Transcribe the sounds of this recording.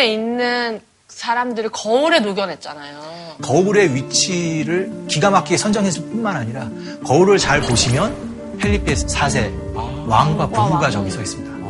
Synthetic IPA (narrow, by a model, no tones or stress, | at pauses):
einːɯn | sʰaɾamdɯɾikʌuɾe̞noɡjʌnɦe̞t̚t͡ɕ͈anajokʌuɾe̞ɥit͡ɕʰiɾɯɭkiɡamak͈iesʰʌnd͡ʑʌŋɦesʰʌp͈unmanaɲiɾa | kʌuɾɯɭt͡ɕaɭpoɕʰimjʌn | pʰeʎːipʰessʰasʰe̞ | waŋɡwapuɡuɡat͡ɕʌɡisʰʌis͈ɯmɲida